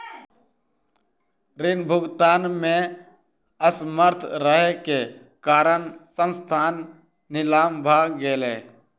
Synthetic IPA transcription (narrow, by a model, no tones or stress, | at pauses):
ɾɪnbʱʊɡt̪aːnmẽ | əsməɾt̪ʰɾəɦeke | kaːɾəɳsə̃nst̪ʰaːnː | ɪlaːmbʱaːɡeːleː